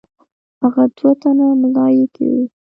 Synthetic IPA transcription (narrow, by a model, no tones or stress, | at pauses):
haɣad̪wot̪anamlɑjekʰa̰wi